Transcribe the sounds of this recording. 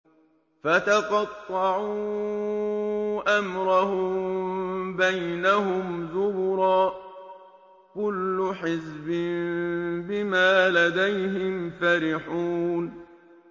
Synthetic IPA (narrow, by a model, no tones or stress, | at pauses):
fat̪aqɑt̪ˤːɑʕuː | ʔamɾˤɑhʊmmbajnahʊmzʊbʊɾˤɑː | kʊlːʊħɪzbɪmbɪmaːlad̪ajɦɪmfaɾɪħuːn